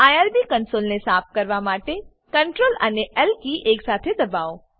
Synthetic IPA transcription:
aːjaɾbikənsoːlnesaːp̚ʰkɐɾʋamaːʈe | kɐɳʈɾoːlə̰neʔɛlkiʔeːksaːt̪ʰed̪ɐbaːo

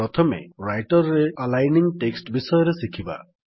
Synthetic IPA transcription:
ɔt̪ʰɔmḛɾajʈɔɾɔɾealajniŋʈeksʈbisɔjɔɾesikʰiba̰

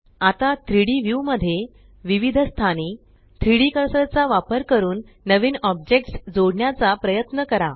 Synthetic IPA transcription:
at̪at̪ʰɾiɽiʋjuʋməd̪ʱːje | ʋiʋid̪ʱəst̪ʰaniː | t̪ʰɾiɽikəɾsəɾt͡saʋapəɾkəɾuːnːəʋiːnɔb̚d͡ʑek̚ʈsd͡zoɽɳjat͡sapɾəjət̪nəkəɾa

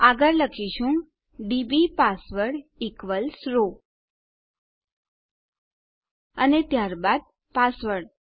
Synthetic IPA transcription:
aɡəɾləkʰiʃũ | ɖibipasʋəɽikʋəlsɾo | ənet̪jaɾbad̪̚ | pasʋəɽ

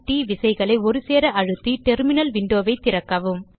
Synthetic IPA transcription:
ʈːiːʋɪsɐɪɣɐɭɐɪɔɾɯseːɾɐʔɐɻɯt̪ːiʈɛɾmɪnɐlʋɪɳɖoːʋɐɪt̪ːɪɾɐkːɐʋɯm

